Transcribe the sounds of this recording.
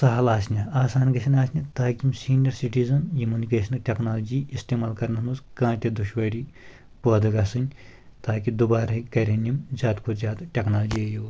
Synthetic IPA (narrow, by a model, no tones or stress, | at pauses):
sɐɦɐlaːsnʲɐaːsaːnɡɐsʲinaːsnʲɐt̪aːkʲimsiːnjɐɾsiʈiːzɐnjumunikeːsɐnɐʈʲeknaːlɐd͡ʒiist̪eːmaːlkɐɾnɐsmuskãːt̪ʲed̪uʃʋɐːɾʲi | pəːd̪ɐkaːsɨnʲ | t̪aːkid̪ubaːɾɦɐkɐɾʲenimzʲaːt̪kʰozʲaːd̪ʈʲeknaːld͡ʒiɐju